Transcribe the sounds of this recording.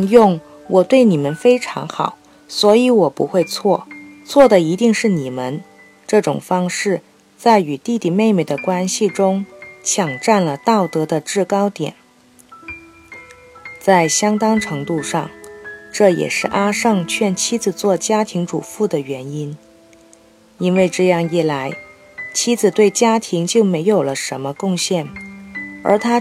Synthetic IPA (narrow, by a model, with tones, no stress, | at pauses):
jʊ˥˩ŋ | wʔɔ˨˩t̪we˥˩ɪni˨˩mə˦nfe˥ɪʈ͡ʂʰɑ̰˧˥ŋxɑ̰˨˩˦ʊ | swɔ˧˥i˧˥wɔ˨˩pṵ˧˥xwe˥˧ɪt͡sʰwɔ˥˩t͡sʰwɔ˥˩d̪ə˩i˧˥t̪i˥˧ŋʂɻ̩˥˩ni˨˩mə˦n | ʈ͡ʂɤ˥˩ʈ͡ʂʊ̰˨˩ŋfɑ˥ŋʂɻ̩˥˩ | t͡sa˥˩ɪy˨˩t̪i˥˩t̪i˨˩me˥˩ɪme˨˩ɪd̪ə˦kwa˥nɕi˨ʈ͡ʂʊ˥ŋt͡ɕʰjɑ˨˩ŋʈ͡ʂa˥˩nlə˩t̪ɑ˥˩ʊt̪ɤ˧˥d̪ə˧ʈ͡ʂɻ̩˥˩kɑ˥ʊt̪jɛ̰˨˩˦n | t͡sa˥˩ɪɕjɑ˥ŋt̪ɑ˥ŋʈ͡ʂʰɤ˧˥ŋt̪u˥˧ʂɑ̰˥˩ŋʈ͡ʂɤ˥˩jɛ̰˨˩ʂɻ̩˥˩ʔa˥ʂɤ˥˧ŋt͡ɕʰɥɛ˥˩nt͡ɕʰi˥d͡zɹ̩˨˩t͡swɔ˥˩t͡ɕja˥t̪ʰi˧˥ŋʈ͡ʂṵ˨˩fu˥˩d̪ə˩ɥɛ˧˥ni˥n | i˥nwe˥˧ɪʈ͡ʂɤ˥˧jɑ˥˧ŋi˥˩la˧˥ɪ | t͡ɕʰi˥d͡zɹ̩˨˩t̪we˥˩ɪt͡ɕja˥t̪ʰi˧˥ŋt͡ɕjo˥˩ʊme˧˥ɪjo˨˩ʊlə˦ʂə˧˥nmə˧kʊ˥˧ŋɕjɛ˥˩n | ə̰˞˧˥t̪ʰa˥